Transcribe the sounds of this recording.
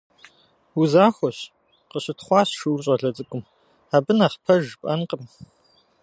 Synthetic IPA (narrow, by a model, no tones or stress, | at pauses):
uzaːxʷɔɕ | qəɕɪtχʷɑːɕʃuwrɕʼɐɮɐt͡sʼɨkʷʼʊm | aːbɨnaːχpʰɐʒpʼɐnqʼəm